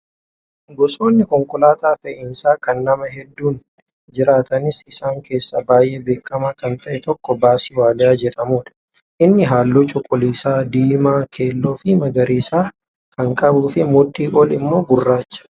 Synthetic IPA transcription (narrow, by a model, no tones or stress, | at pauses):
ɡɔsʼo̞ːnːɪkɔŋkʼʊlaːt̪aːfɛʔɪnsaːkɐnːɐmɐɦɛd̪ːuːn | d͡ʒɪɾaːt̪ɐnɪsɪsaːŋkʰe̞ːsːɐbaːjʔeːbe̞ːkːɐmaːkɐnt̪ɐʔɛt̪ɔkːɔbaːsɪwaːlɪaːd͡ʒɛᶑɐmuːᶑ̪ɐ̥ | ʔɪnːɪɦaːlːot͡ʃʼʊkʼːʊliːsaːd̪iːmaːkʰeːlːoːfɪmɐɡɐɾiːsaː | kʰɐŋkʼɐbuːfɪmʊt̪ʼːiːʔolɪmːo̞ːɡʊrːaːt͡ʃːɐ̥